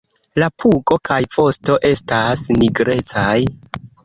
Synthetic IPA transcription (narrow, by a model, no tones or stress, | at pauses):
lapʰuko̞kajfo̞sto̞ʔe̞stasniɡɾe̞t͡saj